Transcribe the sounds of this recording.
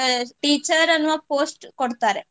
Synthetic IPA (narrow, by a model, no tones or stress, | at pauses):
ʈiːt͡ʃɐɾɐnːuʋɐpoːsʈkoɽt̪aːɾe